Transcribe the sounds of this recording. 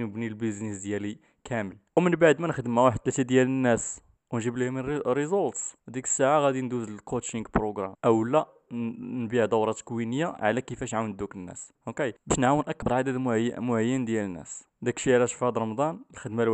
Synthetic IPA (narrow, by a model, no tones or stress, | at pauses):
nəbnilbəznisd̪jæli | kʰæməl | wmənbaʕd̪mænəxd̪əmæwaħəd̪t̪ːlæt̪id̪jælənːæs | wnʒiblihmənɾizolt̪sd̪ikə̥sːaʕaɣæd̪ind̪uzəlkot̪ʃiŋɡbɾoɡɾˤæmʔəwlæ | nbiʕd̪ˤɑwɾˤɑt̪kwinəjːaʕlækəfæʃʕawnd̪ukənːæ̰sʔokebæʃnʕawənʔæk̚bɑɾˤʕad̪æd̪mʕːmʊʕajːənd̪jælənːæ̰s | d̪ækʃiʕlæʃfæd̪ɾˤɑmd̪ˤɑnlxəd̪mæl